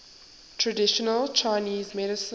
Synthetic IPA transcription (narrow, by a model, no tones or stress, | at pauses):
tʰɹədɪʃənəlˠt͡ʃʰaɪniːzmɛɾɪsə